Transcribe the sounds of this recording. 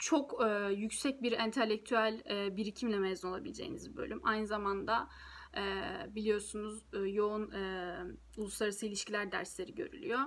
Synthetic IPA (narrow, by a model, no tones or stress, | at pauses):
t͡ʃʰo̞kːjycsɛc̚biɾɛnt̪ʰelʲːɛc̚t̪ʰyælʲɛːbiɾicʰimlʲɛmɛzuno̞lˠabilʲed͡ʒḛjḭnḭzbø̰lʲymʔajnɯzamand̪aː | bilʲijo̞ɾsunuzjo̞unɯ | ulˠuslˠaɾɯsɯilʲiʃcʰilʲæɾd̪æ̰ɾslʲe̞ɾiɟø̞̰ɾy̰lʲy̰jo